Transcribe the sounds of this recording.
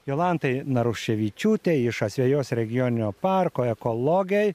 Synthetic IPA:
joːlˠɑnt̪ɐɪnɐɾʊʃʲɛʋʲiːt͡ʃʲuːt̪ʲeɪʃɐsʲʋʲɛjoːsɾʲɛɡʲɪjoːnʲɪnʲoːpɑɾkoːɛkolˠoːɡʲɛj

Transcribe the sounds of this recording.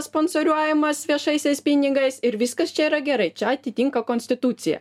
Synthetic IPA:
sponsoɾʲuɔjɛmɐsʋʲiɛʃɐɪsʲɛɪspʲinʲɪɡɐɪsɪɾʋʲɪskɐst͡ʃʲɛiːɾɐɡʲɛɾɐɪt͡ʃʲɛɐt̪ʲɪt̪ʲiŋkɐkoːnʲsʲt̪ʲɪt̪ut̪sʲɪjɛ̰

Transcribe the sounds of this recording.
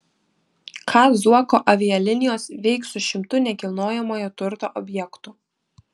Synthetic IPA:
kʰɑːzuɔkoːʔɐʋʲɪjɛlʲɪnʲɪjoːsʋʲɛɪksʊʃʲɪmt̪ʊnʲɛkʲɪlˠnoːjɛmoːjot̪ʊɾt̪o̰ːʔɔbʲjɛkt̪ʊ

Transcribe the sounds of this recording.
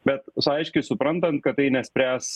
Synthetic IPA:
bʲɛt̪sɐɪʃʲkʲɪsʊpɾɐnt̪ɐnt̪̚kɐt̪ːɐɪnʲɛsʲpʲɾʲæːs

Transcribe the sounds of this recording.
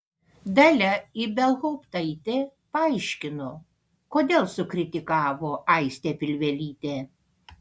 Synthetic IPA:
d̪ɐlʲɛibʲɛlˠɣɔːpt̪ɐɪt̪ʲepɐɐɪʃʲkʲɪnoː | koːd̪ʲeːlˠsʊkɾʲɪt̪ʲɪkɑːʋoːʔɐɪsʲt̪ʲeːpʲɪlʲʋʲɛlʲiːt̪ʲeː

